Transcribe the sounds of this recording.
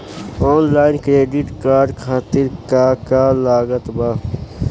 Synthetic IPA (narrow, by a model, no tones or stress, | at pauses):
oːnlaːɪnkɾeːɖiʈkaːɾɖkʰaːt̪ɪɾkaːkaːlaːɡət̪baː